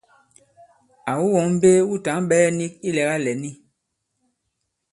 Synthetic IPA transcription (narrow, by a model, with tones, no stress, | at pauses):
a˨wu˦wɔ˨˦ŋm̩˦be˦wu˦ta˨˦ŋ˦ɓɛ˦ni˦ki˦lɛ˨ka˦lɛ˨ni˦